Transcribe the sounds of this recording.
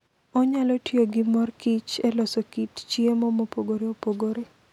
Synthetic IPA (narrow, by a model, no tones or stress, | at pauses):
ɔɲalɔtjoɡɪmɔrkit͡ʃelɔsokitt͡ʃiemɔmopoɡoɾeopoɡoɾe